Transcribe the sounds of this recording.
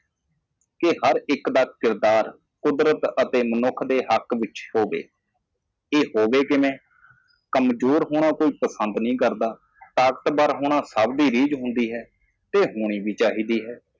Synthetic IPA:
kɪhəɾɪkd̪aːkɪɾd̪aːɾ | kʊd̪ɾət̪ət̪eːmənʊkʰd̪eːɦəkʋɪt͡ʃhoːʋḛː | eːɦoːʋeːkɪʋẽː | kəmd͡ʒoːɾɦoːɽ̃aːkoːiːpəsənd̪nĩːkəɾd̪aː | t̪aːkət̪baɾɦoːɽ̃aːsəbd̪iːɾiːd͡ʒɦʊ̃nd̪iːɦɛː | t̪eːɦoːɽ̃iːbiːt͡ʃaːɦiːd̪iːɦɛː

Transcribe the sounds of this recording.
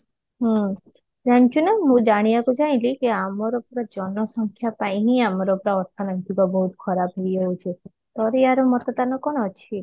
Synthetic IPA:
ɦu | d͡ʒaɽ̃t͡ʃʰunaɦũd͡ʒaɽ̃ibakud͡ʒaĩlikeamɔɾɔpɾɔd͡ʒɔnɔsɔŋkʰjapaĩɦĩamɔɾɔpɾɔɔɾt̪ʰɔnɔnt̪iɡɔbɔɦut̪kʰɔɾabɦeid͡ʒout͡ʃʰu | t̪ɔɾeaɾomɔt̪ɔt̪anɔkɔɽ̃ɔt͡ʃʰi

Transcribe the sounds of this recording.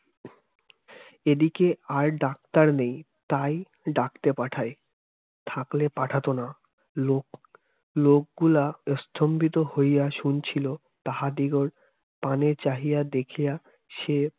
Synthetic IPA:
ed̪ikeaɾɖak̚t̪aɾnej | t̪aj | ɖakt̪epaʈʰae | t̪ʰaklepaʈʰat̪ona | o | lok̚ɡulaɔst̪ʰombit̪ohojjaʃunt͡ɕʰilo | t̪aɦad̪iɡoɾ | panet͡ɕaɦijad̪ekʰija | ʃe

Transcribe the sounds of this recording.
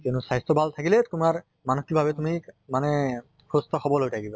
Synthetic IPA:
tɛnʊsajstɔbʱaltʰakilɛtumaɹ | manokikbʱabɛtumimanɛ | pʰustɔxɔbɔlɦojtʰakiba

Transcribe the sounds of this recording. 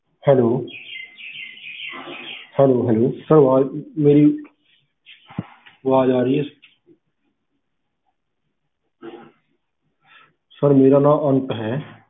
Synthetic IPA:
hɛːloː | hɛːloːɦɛloːsəɾʋaːmeːɾi | ʋaːd͡ʒaːɾiɦe | səɾmeːɾanãːʔənt̪ɦɛː

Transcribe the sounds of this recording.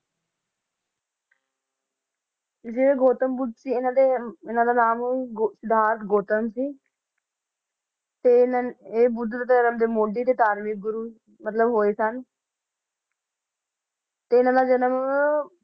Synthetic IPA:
d͡ʒeːeːɡoːt̪əmbʊd̪siːɪnãːd̪eɪnãːd̪aːnaːmsɪd̪ʱaːɾət̪ɡoːt̪əmsiː | t̪eːeːbʊd̪d̪at̪ːd͡ʒənəmd̪eːmoːɖiːt̪eːt̪aːɾmiːk̚ɡʊɾuː | mət̪ləbɦoːeːsən | t̪eːɪnãːd̪aːd͡ʒənəm

